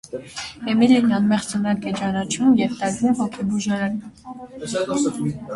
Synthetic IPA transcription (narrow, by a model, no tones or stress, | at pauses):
ɛmilinɑnmɛʁt͡sənɑkɛt͡ʃɑnɑt͡ʃʰumjɛvt̪ɛɾvumhɔkʰɛbuʒɑɾɛn